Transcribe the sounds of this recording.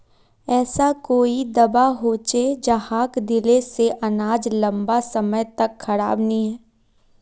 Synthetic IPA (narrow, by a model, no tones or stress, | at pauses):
ɛːsakoːid̪ɐbaɦoːt͡ʃed͡ʒɐɦaːkd̪ɪleseʔɐnaːd͡ʒlɐ̃mbasɐməjt̪ɐkxʰɐɽa̰ːbnɐɦĩɦɛː